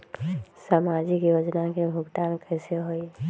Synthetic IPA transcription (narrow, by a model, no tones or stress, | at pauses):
saːmad͡ʒɪkjoːd͡ʒnakebʱʊɡʈ̪aːnkɛseɦoi